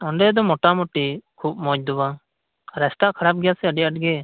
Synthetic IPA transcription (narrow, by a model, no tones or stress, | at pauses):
ɔɳɖɛd̪ɔmɔʈamʊʈikʰuːb̚mɔd͡ʒd̪ʊba | ɾɛst̪akʰəɾaːp̚ɡjasɛəɖiəʈɡe